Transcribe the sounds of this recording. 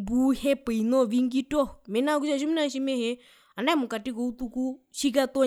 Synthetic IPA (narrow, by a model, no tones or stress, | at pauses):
buhɛpɛinɔʋiŋɡitɔmɛnakuʃaʃ̬uminaʃimɛhɛ | andaimukatikɔut̪ukuʃik̬at̪ɔ